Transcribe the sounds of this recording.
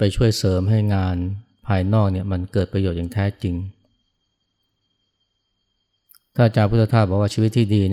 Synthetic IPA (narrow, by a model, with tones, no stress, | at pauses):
pa˧jt͡ɕʰu˥˩əjsɤː˩˦mɦa˥˩jŋaː˧n | pʰaː˧jnɔː˥˩k̚ni˥˩ɐma˧nkɤː˨˩t̪̚pɾa˧joː˨˩t̪̚jaː˨˩ŋt̪ʰɛː˦˥t͡ɕi˧ŋ | t̪ʰaː˥˩t͡ɕaː˧pʰu˥˩t̪ʰːa˧t̪ʰaː˥˩bɔː˨˩kwa˥t͡ɕʰiː˧wt̪ʰːiː˥˩diː˧n˥